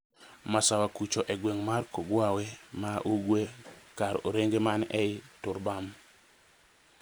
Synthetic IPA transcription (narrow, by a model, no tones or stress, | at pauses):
masawakut͡ʃoʔɛɡweŋmarkoɡwawemaʔuɡwekaɾoɾeŋɡemanɛɪtʊɾbam